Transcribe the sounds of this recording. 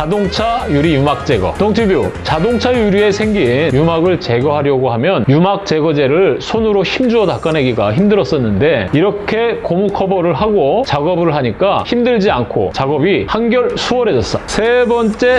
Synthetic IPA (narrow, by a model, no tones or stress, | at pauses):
t͡ɕadoŋt͡ɕʰajuɾijumak̚t͡ɕ͈e̞ɡʌ̰toŋtʰibjot͡ɕadoŋt͡ɕʰajuɾie̞sʰe̞ŋɡinjumaɡɯɭt͡ɕe̞ɡʌɦaɾjʌɡoɦamjʌnjumak̚t͡ɕ͈e̞ɡʌd͡ʑe̞ɾɯɭsʰonɯɾoçimd͡ʑuʌtak͈anɦe̞ɡiɡaçimdɯɾʌs͈ʌnːɯnde̞iɾʌkʰe̞komukʰʌbʌɾɯɭɦaɡot͡ɕaɡʌbɯɭɦaɲik͈açimdɯɭd͡ʑiankʰo̰t͡ɕaɡʌbihanɡjʌɭsʰuʌɾe̞d͡ʑʌs͈ʌsʰe̞bʌnt͡ɕ͈e̞